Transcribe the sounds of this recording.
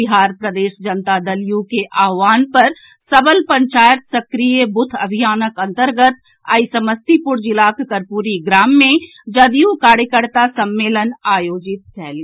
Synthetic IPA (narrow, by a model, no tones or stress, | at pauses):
biɦaːɾpɾəd̪eːʃd͡ʒənt̪ad̪əlijukeʔaɦʋaːnpəɾ | səbəlpəɲt͡ʃaːjət̪səkɾijəbʊt̪ʰəbʱijaːnəkə̃nt̪əɾɡət̪ | a̰ːisəməst̪ipʊɾd͡ʒilaːkkəɾpuɾiɡɾaːmːẽ | d͡ʒəd̪jukaːɾjəkəɾt̪asəmːeːlənaːjoːd͡ʒɪt̪̚kɛːli